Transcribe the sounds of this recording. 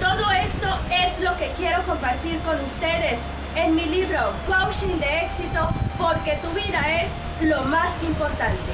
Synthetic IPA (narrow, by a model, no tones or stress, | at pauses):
t̪o̞ðoest̪oe̞zlo̞ke̞kje̞ɾo̞ko̞mpaɾt̪iɾko̞nust̪e̞ðe̞s | enmiliβɾokwawʃĩnd̪eeksit̪o̞poɾke̞t̪uβiðaez | lo̞masimpo̞ɾt̪ãnt̪e